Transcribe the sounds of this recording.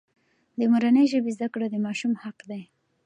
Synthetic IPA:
d̪əmuɾanəjʒəbezd̪akɽad̪əmɑʃumhaqd̪aj

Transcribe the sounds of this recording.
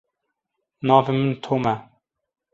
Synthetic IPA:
nɑːvemənt̪ʰoːmɛ

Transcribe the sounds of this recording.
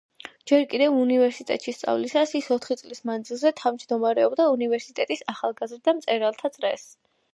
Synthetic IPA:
d͡ʒɛɾkʼid̪ɛvunivɛɾsit̪ʼɛ̰t̪ʼʃist̪sʼa̰vlisasisɔt̪ʰχit̪sʼlismand̪zilˠzɛt̪ʰavmd͡ʒd̪ɔmaɾɛɔbd̪aunivɛɾsit̪ʼɛt̪ʼisaχalˠɡazɾd̪amt̪sʼɛɾalˠt̪ʰat̪sʼɾɛ̰s

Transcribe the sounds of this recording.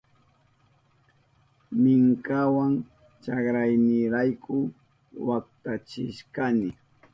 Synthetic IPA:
mɪŋkawaŋ | t͡ʃɑkɾajnɪɾajkʰʊ | wakt̪at͡ʃɪ̰ʃkanɪ

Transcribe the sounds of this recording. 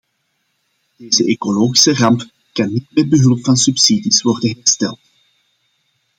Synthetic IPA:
d̥eːzəʔekoloːχi̥sərɑmp | kɑnːitmɛd̚bəɦɵlˠpfɑnsypsidisʋɔrdənɦɛrstɛ̰lˠt

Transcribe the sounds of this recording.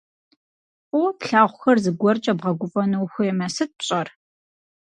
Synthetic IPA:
upɬaːʁʷʊxɐrzɨɡʷɔrt͡ʃʼɐbʁɐɡʷʊfʼɐnɨwxʷʊjɛmɐsɨt̚pɕʼɐr

